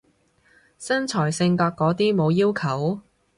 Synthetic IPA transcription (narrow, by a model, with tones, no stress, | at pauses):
sɐ˥nt͡ʃʰɔː˨˩jsɪ˧ŋt̪aː˧k̚kːɔː˨˥t̪iː˥mo˨˧wjiː˥wkʰɐ˨˩w